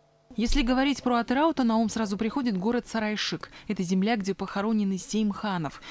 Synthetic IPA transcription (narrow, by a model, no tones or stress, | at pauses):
jesʲlʲɪɡəvɐɾʲitʲpɾoɐt̪ɨɾaʊt̪ənɐomsɾazʊpɾʲɪxo̞dʲɪt̪ɡo̞ɾət̪sɐɾajʂɨkɛt̪əzʲɪmlʲaɡdʲepəxɐɾo̞nʲɪnɨsʲejmʲxanəf